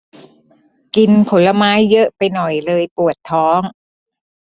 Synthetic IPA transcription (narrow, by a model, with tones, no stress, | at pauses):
ki˧npʰo˩˦la˧maː˦˥jːɤ˦˥ʔpa˧jnɔ˨˩jlɤː˧jpu˨˩ət̪ʰːɔː˦˥ŋ